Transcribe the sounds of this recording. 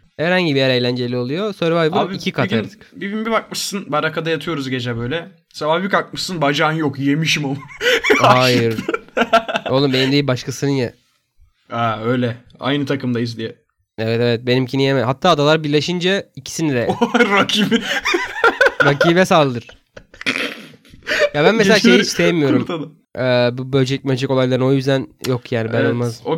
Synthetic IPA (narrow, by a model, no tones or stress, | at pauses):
hæɾhaɲɟibijæɾe̞jlʲænd͡ʒe̞lʲio̞lˠujosøɾvajbuicʰikʰat̪ʰaɾd̪ɯ̥kbibimbibak̚mɯʃsɯnbaɾakʰad̪ajat̪ʰɯjo̞ɾuzɟe̞d͡ʒɛbø̞jlʲɛ | savaːbikak̚mɯʃsɯnbad͡ʒaːnjokjemiʃimomuajɯɾ | o̞lˠumbe̞nimd̪eibaʃkasɯnɯnja | æø̞jlʲɛa̰jnɯt̪ʰakɯmd̪ajizd̪ijɛ | evɛt̪evɛt̪̚be̞nimcʰinijemɛɦat̪ʰːaːd̪alˠaɾbiɾlʲeʃind͡ʒaicʰi̥sinid̪ɛɾakʰibi | ɾacʰiːbɛsalˠɯd̪ɯɾ̥ | jabænmeseaʃʃejiisejemijo̞ɾuɾt̪d̪a | ɛːbubølʲd͡ʒelʲic̚ʲmøld͡ʒɛko̞ajlˠaɾɯno̞jyzd̪ænjo̞kjaːnibænolˠmazo